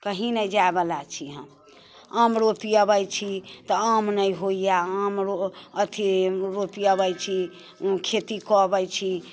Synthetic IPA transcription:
kəɦinəjd͡ʒaebəlat͡ʃʰiɦəm | amɾopiəbəjt͡ʃʰit̪ɔamnəjɦoijaamɾoət̪ʰiɾopiəbəjt͡ʃʰi | kʰet̪ikɔbəjt͡ʃʰi

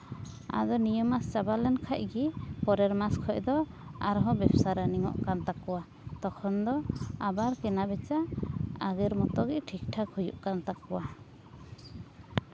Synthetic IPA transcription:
a̰d̪ɔnijɔmast͡ʃabalɛnkʰac̚ɡipɔɾɛɾmaskʰɔʔd̪ɔ | a̰ɾɔɦɔbɛbsaɾaniŋɔ̰ʔkant̪akːɔwa | t̪ɔkʰɔnd̪ɔabaɾkɛnabɛt͡ʃaaɡɛɾmɔt̪ɔɡɛʔʈʰik̚ʈʰakʰujṵʔkant̪akːɔwa

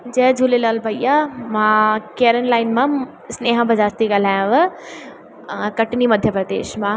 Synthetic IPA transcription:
d͡ʑɐːd͡ʑʱuːlelaːlbʱɐijamãkeːɾənlaːɪnmã | sneːɦãbəd͡ʑaːst̪iɡɐl̤aːjãʋə | kɐʈɪnimɐd̪ʱjəpɾɐd̪ḛːʃmã

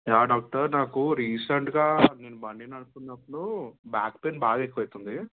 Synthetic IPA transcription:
jaːɖaːk̚ʈɐɾnaːkuɾiːseɳʈɡaːneːnubɐɳːinɐɽutunːɐpːunubaːkpeːnbaːɡaːekːʋɐjt̪und̪i

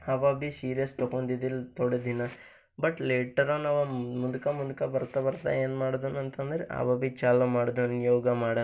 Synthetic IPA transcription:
ɐʋabisiːɾɐst̪okond̪id̪ilt̪oɽed̪inɐ | bɐʈleːʈɐɾoːnaʋɐmud̪ukɐmud̪ukɐbɐɾt̪ɐbɐɾt̪a̰jeːnmaːɽod̪unɐnt̪ɐnd̪ɐɾeʔɐ̰ʋɐbit͡ʃaːlomaːɽod̪uɐnjoːɡɐmaːɽɐ

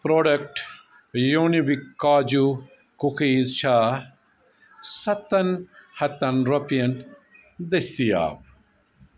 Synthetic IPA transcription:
pɾoːɖɐk̚ʈ | joːnibikːaːd͡ʒu | kuxiːzt͡ʃʰaː | sɐt̪ɐnhɐt̪ɐnɾopijɐn | d̪ɐst̪ija̰ːb

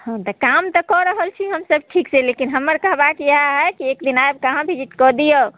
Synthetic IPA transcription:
hãt̪ɔkamt̪ɔkɔɾəɦəlt͡ʃʰiɦəmsəb̚ʈʰikselekinɦəmːəɾkəɦbakaɦɛkiekd̪inajb̚kaɦãbʱid͡ʒiʈ̪kɔd̪ijə

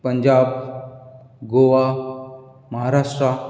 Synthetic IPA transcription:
pəɲd͡ʑaːb̚ | ɡoʋa | məɦaɾaʂʈɾa

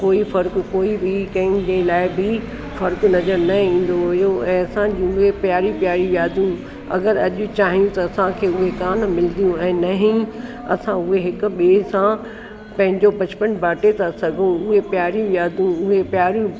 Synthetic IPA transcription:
koːifɐɾkkoːibɪkɐ̃ɦɪ̃d͡ʑelaːɪbɪ | fɐɾknɐzəɾnɐĩːn̆d̪oɦʊjoʔɛ̃ːɐsãd͡ʑĩʊɦepjaːɾipjaːɾijaːd̪ũ | ɐ̰ɡəɾɐʄʊt͡ɕaːɦijũt̪ɐɐsãkʰeːʊɦekaːnmɪld̪ijũɛ̃ːnɐɦĩ | ɐsãʊɦeɦɪkʊ̆ɓeːsã | pɐ̃ɦɪ̃ɲd͡ʑopɐt͡ɕpənbʱaːʈet̪ʰasɐɡʱũʊɦepjaːɾijũjaːd̪ũʊɦepjaːɾjũ

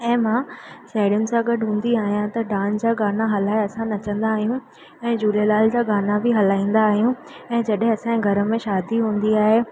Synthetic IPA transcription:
ɛ̃ːmãːʃaːɪɾʊnɪ̆sãɡɐɖʱɦũːn̆d̪iaːɦijãt̪ɐɖãːnd͡ʑaːɡaːnaɦɐlaːeɐsãnɐt͡ɕə̃nd̪aːɦijũ | ɛ̃ːd͡ʑuːlelaːld͡ʑaːɡaːnabʱɪɦɐl̤aːĩːn̆d̪aːɦijũ | ɛ̃ːd͡ʑɐɗɦɪ̃ɐsãɡʱɐɾə̆mẽʃaːd̪iɦũːn̆d̪iaːɦe

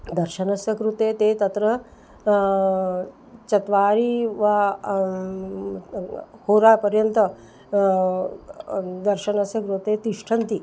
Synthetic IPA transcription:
d̪ɐɾʃɐnɐsjɐkɾut̪eːt̪eːt̪ɐt̪ɾɐ | t͡ʃɐt̪ʋaːɾiːʋa | hoːɾaːpɐɾjɐnt̪ɐ | d̪ɐɾʃɐnɐsjɐkɾut̪et̪iʂʈʰɐnt̪i

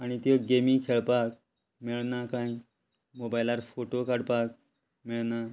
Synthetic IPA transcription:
aɽ̃it̪əɡemiŋkʰeɭpak̚ | miɭnakãĩ | mobajlaɾfoʈokaɽpak̚ | miɭna

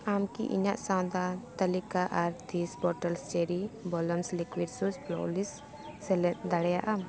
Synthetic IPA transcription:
amkḭʔḭɲaʔsãw̃d̪at̪əlikaʔaɾt̪isbɔʈəlst͡ʃɛɾibɔlɔmslikwiɖsusplɔ̰lisː | ɛlɛt̪d̪aɽɛjaʔam

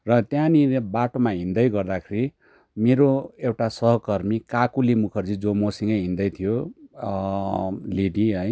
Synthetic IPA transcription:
rʌt̪jãniebaʈomaɦind̪ʌjɡʌrd̪akʰeɾi | meɾoewʈasʌɦʌkʌrmikakulimukʰʌrd͡zid͡zomosiŋɡʌjɦĩnd̪ʌjt̪ʰijo | leɖiɦʌj

